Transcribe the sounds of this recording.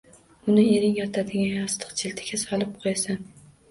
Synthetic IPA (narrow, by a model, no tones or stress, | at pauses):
ʊnɪeɾɪŋjɒt̪ʰad̪ɪɡʲanɒst̪ʰɨ̥qt͡ʃʰɪlt̪ʰɪ̥ɡʲasɒlˠɪp̚qʰojasan